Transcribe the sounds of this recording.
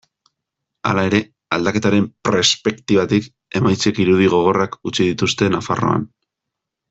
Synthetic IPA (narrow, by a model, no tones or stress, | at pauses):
a̰lae̞ɾe̞ | ald̪ake̞t̪aɾe̞mpɾe̞spe̞kt̪iβat̪ik | e̞majt͡sekiɾuðiɣ̞o̞ɣ̞o̞rakut͡ʃiðit̪ust̪e̞nafa̰ro̞̰a̰n